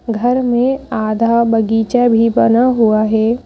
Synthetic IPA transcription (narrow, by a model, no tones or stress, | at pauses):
ɡʱɐɾmẽaːd̪ʱabɐɡiːt͡ʃabʱibɐnaɦuaɦɛː